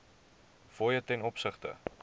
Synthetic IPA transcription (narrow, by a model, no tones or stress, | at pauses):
fɔjətɛnɔpsəχtə̰